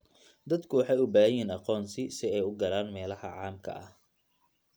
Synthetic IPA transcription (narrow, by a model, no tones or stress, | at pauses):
d̪ɐd̪kʰʊwɑħɑjʊbaːɦɐjiːnɑqɔːnsɪsɪɛjʊɡɐlaːnmɛːlɐhɐ̰ʕɑːmkʰɐ̰ʔɐ̰h